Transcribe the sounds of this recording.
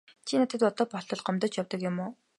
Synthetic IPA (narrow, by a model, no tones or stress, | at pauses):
t͡ɕʰinat̪ʰĕt̪ɔt̪ɔːpɔɬt̪ɞ̆ɮɢɔmt̪ɞ̆t͡ɕjawt̪ə̆kjʊ̆mʊː